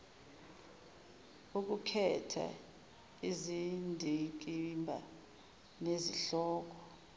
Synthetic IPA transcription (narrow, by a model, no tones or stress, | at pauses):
uk̬ukʰɛtʰa̰ | izindʱik̬ʼimbʱa | neziɬɔːk̬ɔ